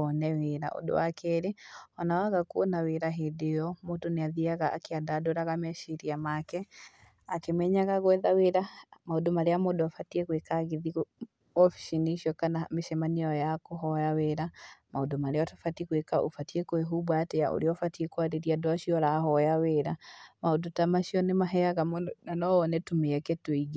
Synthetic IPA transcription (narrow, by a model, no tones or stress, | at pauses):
ɔnɛweɾa̰ʔo̰do̰wakeɾeɔnawaɣakuonaweɾaɦedeɔmotoneaðiaɣaʔːkeadadoɾaɣamɛʃiɾiamakɛ | akemɛɲaɣaɣwɛðaweɾamaodomaɾeamodoafatiekwekaɣeðiɣo | ɔfi̥ʃiniʃɔkanameʃɛmaneɔjakoɦɔjaweɾamaodomaɾeɔtafatiekwekaʔo̰fatiekoeɦubatɛja̰ʔo̰ɾeɔfatiekwaɾeɾiadoaʃiɔɾaɦɔjaweːɾamaodotamaʃiɔnemaɦɛaɣamnanɔɔnɛtomeakɛtoiɣi